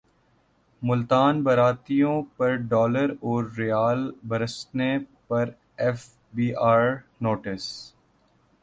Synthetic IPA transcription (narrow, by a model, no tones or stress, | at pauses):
mʊlt̪aːnbɐɾaːt̪ijõpɐɾɖɔːləɾɔːɾːejaːlbɐɾəsnepɐɾ | ɛf | biːʔaːɾnoːʈɪs